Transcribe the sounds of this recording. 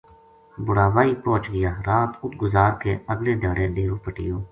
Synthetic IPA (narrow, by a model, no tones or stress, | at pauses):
bʊɽaːʋaːiːpoːt͡ʃɡɪjaːɾaːt̪ʊt̪ɡʊzaːɾkeːəɡleːd̪eːɽeːɗeːɾoːpəʈɪ̰joː